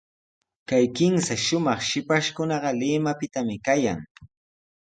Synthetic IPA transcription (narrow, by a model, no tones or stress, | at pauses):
kajkɪmsaʃʊmɑχʃɪpaʃkʊnɑɢɑlɪmapɪt̪amɪkaja̰ŋ